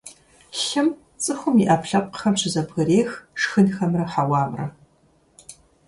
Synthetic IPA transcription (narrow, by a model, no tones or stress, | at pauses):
ɬɨm | t͡sʼɨxʷʊmiːʔapɬɐp̚ʼqə̥xɐmɕʰɪzɐbɣɐɾeːxʂxɨnxɐmrɐħawɑːmrɐ̰